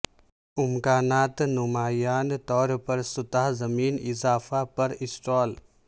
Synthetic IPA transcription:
ʊmkaːnaːt̪nʊmaːjaːnt̪ɔːɾpɐɾsʊt̪aɦzɐmiːnɪzaːfapɐɾɪsʈɔːl

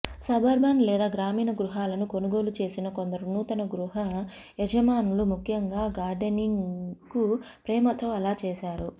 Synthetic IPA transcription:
sɐbʱɐɾbʱaːnlɛːd̪aːɡɾaːmiːnɐɡɾuɦaːlɐnukonuɡo̞ːlut͡ʃe̞ːsinɐko̞nd̪ɐɾunut̪ɐnɐɡɾuɦɐ | jɛd͡ʒɐmaːnulumukʰjɐŋɡaːɡaːɾɖeniŋkupɾɛːmɐt̪oːɐlaːt͡ʃeːsaːɾu

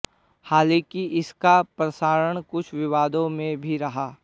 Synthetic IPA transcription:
haːlẽːkiʔɪskapɾɐsaːɾəɽ̃kʊt͡ʃʰʋɪʋaːd̪õmẽbʱiɾɐɦaː

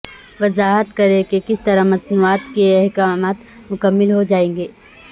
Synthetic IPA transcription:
ʋɐzaːɦət̪kɐɾẽkekɪst̪ɐɾamɐsnuaːt̪keɛɦkaːmaːt̪ | mʊkəmːɪlɦod͡ʒaːẽːŋɡeː

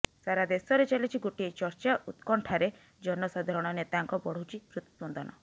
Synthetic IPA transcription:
saɾad̪esɔɾet͡ʃalit͡ʃʰiɡoʈiet͡ʃɔɾt͡ʃaʔut̪kɔɳʈʰaɾe | d͡ʒɔnɔsad̪ʱɔɾɔɽ̃ɔnet̪aŋkɔbɔɽ̤owt͡ʃʰipɾut̪i̥sbɔnd̪ɔnɔ

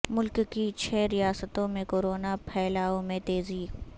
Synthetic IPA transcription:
mʊlkkit͡ʃʰɛːɾijaːsət̪õmẽkoːɾoːnapʰɛːlaːõmẽt̪eːziː

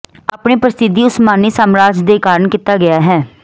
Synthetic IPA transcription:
aːpɳeːpɾəst̪ɪd̪iːʊsmaːniːsaːmɾaːd͡ʒd̪eːkaːɾəɳkit̪aːɡɪaːɦɛː

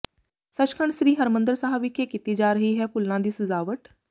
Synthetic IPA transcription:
sət͡ʃkʰəɳʃɾiːɦəɾmənd̪əɾsəɦaːʋɪkʰeːkiːt̪iːd͡ʒaːɾəɦiːɦɛːpʊlnãːd̪iːsəzaːʋəʈ

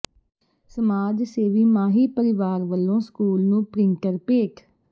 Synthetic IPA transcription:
səmaːd͡ʒseːʋiːmaːɦiːpəɾɪʋaːɾʋəlːõːskuːlnũːpɾɪ̃ŋkəɾpeːkʰ

